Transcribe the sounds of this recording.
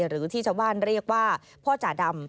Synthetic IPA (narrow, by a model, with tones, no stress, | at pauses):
ɾɯː˩˦t̪ʰiː˥˩t͡ɕʰa˥˩wbaː˥˩nɾi˥˩ək̚waː˥˩ | pʰɔː˥˩t͡ɕa˨˩da˧m